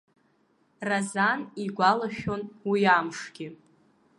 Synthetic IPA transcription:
razaniɡʷalaʃᶣo̞nwiamʂɡ̥ʲɪ

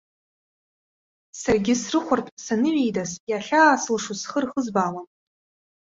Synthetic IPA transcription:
sarɡʲɪsrɨχʷʊrtʼsanɨɥejdazjaɬʲaːsɨlʂusχərχəzbaːlam

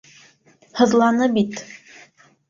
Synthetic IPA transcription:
hɤ̆ðlˠɑnɤbit̪

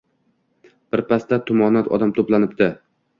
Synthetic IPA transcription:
b̥ɪɾpʰast̪at̪ʰʊmɒnat̪ɒ̰d̪amt̪ʰoplanɪp̚t̪ɪ

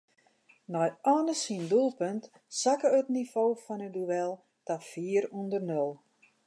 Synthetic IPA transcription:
nɔjɔːnəsindulˠpənt | sakəətnifoːfɔnəduʋɛlˠ | tafiəɾundərnølˠ

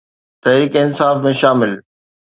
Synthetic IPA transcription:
t̪ɐɦɾiːkeɪnsaːfmẽʃaːmɪl

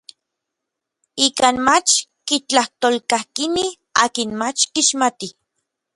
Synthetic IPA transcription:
ikaːnmat͡ʃkit͡ɬaht̪olkahkinih | aːkinmat͡ʃkiʃmat̪i

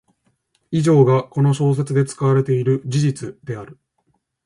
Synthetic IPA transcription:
iʑo̞ːɡako̞no̞ɕo̞ːs̬e̞t͡sɨd̪e̞t͡sɨ̥kaβaɾe̞t̪e̞iɾɯ̟d͡ʑiʑit͡sɨd̪̥e̞aɾɯ̟

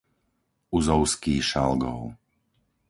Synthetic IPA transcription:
uzɔʊskiːʃa̰lɡɔʊ

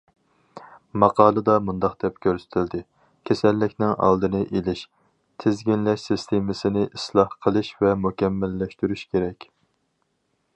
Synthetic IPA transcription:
mɑqʰɑːlˠɨd̪ɑmund̪ɑqd̪̥ɛp̚kʲʰøɾsɪ̥t̪ʰɪld̪ɪ | kʲʰesɛlːɪkʲnɪŋɑ̰lˠd̪ɨnɨʔelɪʃ | t̪ʰɪzɡʲinlɛʃsɨst̪ʰemɪsɪnɪʔislˠɑhqʰəlˠɨʃvɛmukʲɛmːælːɛʃt̪yɾyʃkʲeɾɛkʲ

